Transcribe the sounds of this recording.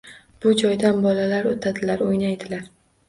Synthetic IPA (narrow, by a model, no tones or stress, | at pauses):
b̥ʊd͡ʒɒjd̪anbɒlalaɾot̪ʰad̪ɪlaɾojnajd̪ɪlaɾ